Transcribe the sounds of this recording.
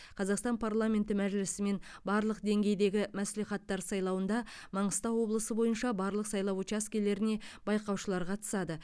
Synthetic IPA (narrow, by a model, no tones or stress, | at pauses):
qʰɑzɑqst̪ɑnpʰarlˠamʲe̞nt̪ɪmæʒlɪsɪme̞nbɑɾlˠəqd̪e̞ŋɡʲe̞jd̪e̞ɡʲɪmæsliχɑt̪ːɑɾsɑjlˠɑwənd̪ɑmɑɴəst̪ɑwwo̞blˠəsəbo̞jənʃɑbɑɾlˠəqsɑjlˠɑwut͡ʃaskʲele̞ɾɪne̞bɑjqɑwʃəlˠɑɾqʰɑt̪ə̥sɑd̪ə